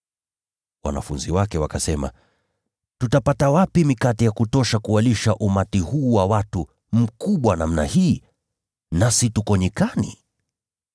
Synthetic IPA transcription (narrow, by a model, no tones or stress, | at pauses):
wa̰na̰funziwakɛwakasɛma̰ | tutapatawapimikatijakutɔʃakualiʃaʔumatihuːwawatu | m̩kuɓwanam̩nahiː | nasitukɔɲikanḭ